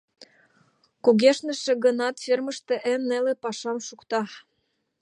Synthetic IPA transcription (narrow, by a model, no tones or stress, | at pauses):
kuɣeʃnə̆ʃĕɣə̆nɑt̪fermə̆ʃt̪ĕʔemnelepɑʃɑmʃukt̪ɑ